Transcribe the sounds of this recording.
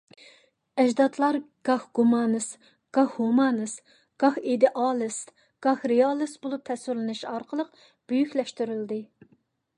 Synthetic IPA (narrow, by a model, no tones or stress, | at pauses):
ɛd͡ʒd̪ɑt̪ʰlˠɑɾɡ̥ɑhɡ̥umɑnɨs | ɡ̥ɑhhumɑnɨs | ɡ̥ɑhed̪ɪʔɑlˠɨs | ɡ̥ɑhɾejɑlˠɨsbolˠup̚t̪ʰɛsyɾlɪnɨʃɑɾqʰəlˠəq̚ | b̥øjykʲlɛʃt̪yɾyld̪ɨ